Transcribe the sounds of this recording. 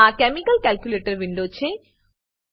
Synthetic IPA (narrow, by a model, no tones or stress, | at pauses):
akɛmikɐlkɛlkjuleʈəɾʋiɳɖot͡ɕʰe